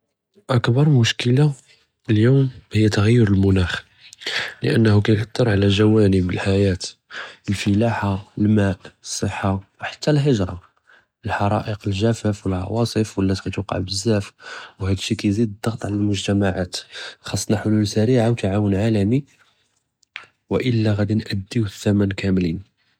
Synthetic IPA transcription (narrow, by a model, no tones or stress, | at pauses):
ʔəkbɑɾˤmʊʃkəla | əljuwmhəjːæt̪aɣəjːʊɾəlmʊnæx | lə̰ʔənːhukæjħat̪ːəɾˤʕalæʒæwænəbəlħajæt̪əlfəlaħaəlmæʔəsˤːəħːawħḁt̪ʰːælɦəʒɾˤɑ̰ | əlħɑɾˤɑ̰ʔəqəlʒæfæfwəlʕɑ̰wɑsˤəfwəlːæt̪kæt̪uqɑ̰ʕbəzːæfwhæd̪ʃːikæjzid̪d̪ˤːɑɣt̪ˤʕalælmʊʒt̪æmaʕat̪xɑsˤːnɑħʊlulsæɾiʕawt̪aʕawənʕalæmi | wəʔəlːæɣæd̪inʔəd̪ːiwθːæmænkæmlin